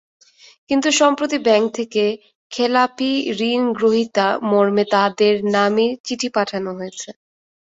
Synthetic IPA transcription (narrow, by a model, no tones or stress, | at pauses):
kint̪uʃɔmpɾot̪̬ibɛŋk̚t̪ʰeke | kʰelapiɾinɡɾoɦit̪amoɾmet̪ad̪eɾnamit͡ɕiʈʰipaʈʰanoɦojet͡ɕʰe